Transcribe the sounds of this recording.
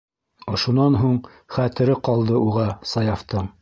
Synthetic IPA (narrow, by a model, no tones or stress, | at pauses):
ŏʃunɑnɦuɴ | χæt̪ɘ̆ɾɘqɑlˠd̪ɤuʁɑsɑjɑft̪ɤɴ